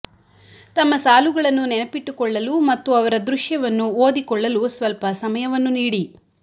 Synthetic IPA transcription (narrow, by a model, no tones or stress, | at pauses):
t̪ɐmːɐsaːluɡɐɭɐnːunɛnɐpiʈːukɔɭːɐlumɐt̪ːuɐʋɐɾɐd̪ɾuʂjɐʋɐnːuoːd̪ikɔɭːɐlusʋɐlpɐsɐmɐjɐʋɐnːuniːɽi